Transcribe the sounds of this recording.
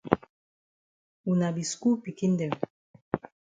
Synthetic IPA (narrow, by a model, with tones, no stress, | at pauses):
u˨na˨bi˨sku˦pi˨ki˦ndɛ˨w